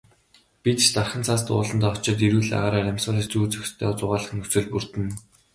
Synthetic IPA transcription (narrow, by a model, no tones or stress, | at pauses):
pit̪t͡ɕt̪arχə̆nt͡sʰaːs̬t̪ʊ̰ːɮə̆nt̪aːɔt͡ɕɪ̆t̪iɾŭɮa̰ʁaːɾaːɾæmʲsʊːɮĕt͡ɕuːt͡sɵkst̪ʰœːɔt͡sʊʁaːɮə̆χnɵsɘ̆ɮpur̥t̪ɘ̆n